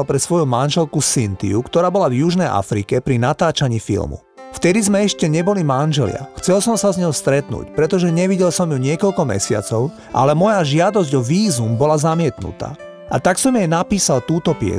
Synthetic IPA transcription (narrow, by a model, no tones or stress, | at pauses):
lpɾɛsʋɔjumanʒɛlkusint̪ḭukt̪ɔɾaːbɔlavjuʒnɛjʔa̰fɾikɛpɾinat̪aːt͡ʃaɲiːfḭlmṵ | ft̪ɛd̪izmɛɛʃcɛɲɛbɔlimanʒɛlɪa̰xt͡sɛlsɔmsazɲɔʊst̪ɾɛt̪nṵːcpɾɛt̪ɔʒɛɲɛʋiɟɛlsɔmjuɲɪɛkɔʎkɔmɛ̰sɪa̰t͡sɔʊ | ʔa̰lɛmɔjaʒɪad̪ɔzɟɔʋiːzumbɔlazamɪɛt̪nṵt̪a̰ː | ʔat̪aksɔmjɛjnapiːsalt̪uːt̪ɔpɪɛ̰